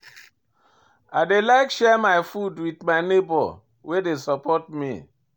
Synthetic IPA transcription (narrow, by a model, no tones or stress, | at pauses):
aɪdelaɪkʃɛmajfudwitmaɪnebɔ̰ | wedesɔpɔt̚mḭ